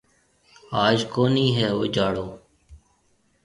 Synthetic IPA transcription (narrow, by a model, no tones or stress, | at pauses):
aːd͡ʒkoːniːɦɛːoːd͡ʒaːɽoː